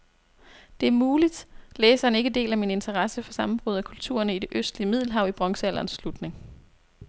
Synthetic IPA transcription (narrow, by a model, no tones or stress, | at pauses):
d̥e̝æɐmuːlid̥leːsɐne̝ɡ̥əde̝̰ːlæmine̝nt͡sʰɐʁɑsəfɒ̽sɑ̈mm̩b̥ʁuðˠækʰult͡sʰṵːɐnəid̥e̝ʔøsd̥liəmið̞̰ˠl̩ˠɦɑ̈ʊ̰ib̥ʁɒ̽ŋsəælʔɐːnsːlud̥ne̝ŋ